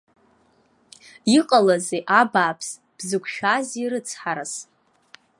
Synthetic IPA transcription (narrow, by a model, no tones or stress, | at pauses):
iqʼalazeʔabaːpʰs | b̥zɨkʷʰʃᶣaziɾɨt͡sʰħaɾas